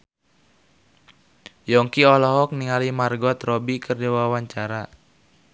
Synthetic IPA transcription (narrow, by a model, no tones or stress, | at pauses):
jɔŋkiɔlɔɦɔk̚niŋalimarɡɔt̪rɔbikɨrdiwawaɲt͡ʃaɾa